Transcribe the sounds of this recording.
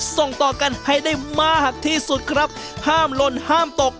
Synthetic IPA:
so˨˩ŋt̪ɔː˨˩ka˧nha˧˥˩jdaː˥˩jmaː˥˩k̚ha˨˩k̚t̪ʰiː˥˩su˨˩t̪̚kʰɾa˦˥p̚ | haː˥˩mlo˧nhaː˥˩mt̪o˨˩k̚

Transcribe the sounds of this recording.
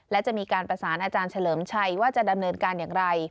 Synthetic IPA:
lɛː˦˥wt͡ɕa˨ʔmiː˧kaː˧npɾa˧saː˩˦nʔaː˧t͡ɕaː˧nt͡ɕʰa˧lɤː˩˦mt͡ɕʰa˧jwaː˥˩t͡ɕa˨˩da˧mnɤː˧nkaː˧njaː˨˩ŋɾa˧j

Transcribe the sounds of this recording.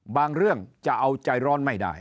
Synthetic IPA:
baː˧ŋɾɯ˥˩əŋt͡ɕa˨˩ʔa˧wt͡ɕa˧jɾɔː˦˥nma˥˩jda̰˥˩j

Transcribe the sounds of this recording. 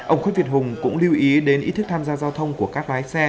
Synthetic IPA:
ʔə˧wŋ͡mxa˧˥vi˨˩ət̚hʊ˨˩ŋ͡mkʊ̰˧˥ŋ͡mli˧wʔi˨˦ɗe˨˦nʔḭ˧˦˥t̪ʰɨ˦˥k̚t̪ʰaː˧mzaː˧zaː˧wt̪ʰə˧wŋ͡mku˧˩əkaː˦˥k̚laː˨˦jsɛ˧

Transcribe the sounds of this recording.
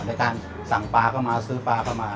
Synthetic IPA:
naː˧˥˩jkaː˧n | sa˨˩ŋpaː˧kʰa˥˩wmaː˧sɯː˦˥paː˧kʰa˥˩wmaː˧

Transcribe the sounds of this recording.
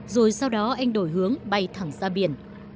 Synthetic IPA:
zo˨˩jsa˧wɗɔ˨˦ʔa˧jŋ̟ɗo˧˩jɦɨ˨˦əŋɓa˧jt̪ʰa˧˩ŋzaː˧ɓi˧˩ən

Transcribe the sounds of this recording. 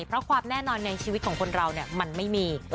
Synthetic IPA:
pʰɾɔ˦˥kʰwaː˧mnɛː˥˩nɔː˧nːa˧jt͡ɕʰiː˧wi˦˥t̪̚kʰɔː˩˦ŋkʰo˧nɾa˧wni˥˩ɐma˧nma˥˩jmiː˧

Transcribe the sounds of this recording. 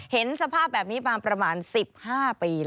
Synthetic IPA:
he˩˦nsa˧pʰaː˥˩p̚bɛː˨˩p̚niː˦˥paː˧pɾa˧maː˧nsi˨˩p̚haː˥˩piː˧

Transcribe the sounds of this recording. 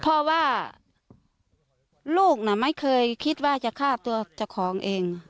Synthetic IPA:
pʰɔ˧waː˧˩˨ | luː˥˩k̚na˧˩ma˦˥˨kʰɤː˧jkʰi˧˥t̪̚waː˧˩t͡ɕa˧˨kʰaː˧˥˩t̪u˧ɐt͡ɕa˧˩wkʰɔː˩˦ŋʔeː˧ŋ

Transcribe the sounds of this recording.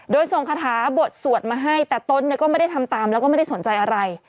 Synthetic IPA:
doː˧jso˨˩ŋpʰaː˧t̪ʰaː˩˦bo˨˩t̪̚su˨˩ət̪̚maː˧ɦa˥˩jt̪ɛː˨˩t̪o˦˥˨nːi˧˥˨kɔ˥˩ma˥˩jda˥˩t̪ʰmt̪aː˧mlɛ˦˥wkɔː˥˩m˥˩da˥˩so˩˦nt͡ɕa˧jʔa˧ɾa˧j

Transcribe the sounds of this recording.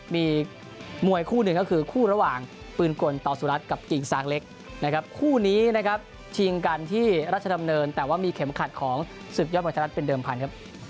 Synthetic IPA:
miː˧ | mu˨˩əjkʰuː˥˩nɯ˨˩ŋkɔ˥˩kʰɯː˧kʰuː˥˩ɾa˧waː˨˩ŋ | pɯː˧nko˧nt̪ɔː˨˩suː˨˩ɾa˦˥t̪̚ka˨˩p̚ki˨˩ŋsaː˦˥k̚le˦˥k̚ | na˦˥kʰa˦˥p̚kʰuː˥˩niː˦˥na˦˥kʰa˦˥p̚ | t͡ɕʰi˧ŋka˧nt̪ʰiː˥˩ɾa˦˥˩t̪̚t͡ɕʰa˧da˧mnɤː˧nt̪ɛː˨˩waː˥˩miː˧kʰe˩˦mkʰa˨˩t̪̚kʰɔː˩˦ŋ | sɯ˨˩k̚jɔː˥˩mː˧˩t͡ɕʰːt̪̚pe˧ndɤː˧mpʰa˧nkʰa˦˥p̚

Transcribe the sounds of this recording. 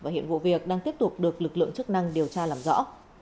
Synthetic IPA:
vaː˨˩ɦḭ˧˨ənvṵ˧˨vi˨˩ək̚ɗaː˧ŋt̪i˦˥əp̚t̪ʊ˨˩k͡p̚ɗɨ˨˩ək̚lɨ˨˩k̚lɨ̰˧˨əŋt͡ɕɨ˦˥k̚na˧ŋɗi˨˩əwt͡ɕaː˧laː˨˩mzɔ̰˧˥

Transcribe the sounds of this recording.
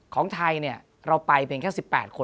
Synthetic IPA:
kʰɔː˩˦ŋt̪ʰa˧jni˥˩ɐ | ɾa˧wpa˧jpʰiː˧ŋkʰːsi˨˩pːɛ̰ː˨˩t̪̚kʰo˧

